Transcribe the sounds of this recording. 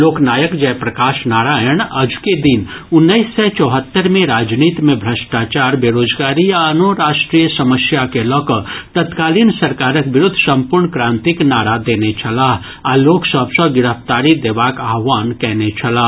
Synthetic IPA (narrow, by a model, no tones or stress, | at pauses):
loːknaːjəkd͡ʒɛːpɾɐkaːʃnaːɽaːjəɳ̃ɐd͡ʒked̪ɪnʊnːəisːɛt͡ʃɔːɦət̪ːəɾmẽɾaːd͡ʒniːt̪mẽbʱɾəʃʈaːt͡ʃaːɾbeːɾoːd͡ʒɡaːɾijaɐnoɾaːʃʈɾijəsɐməsjakelɔːkət̪ət̪kaːliːnsɐɾkaːɾəkbɪɾʊd̪ʱːsɐ̃mpʊɾɳkɾãːnt̪ɪknaːɽad̪eːnet͡ʃʰɐlaːɦ | aloːksəbsəɡɪɽəpʰt̪aːɾid̪eːʋaːkaːɦʋaːnkɛɦnet͡ʃʰɐlaː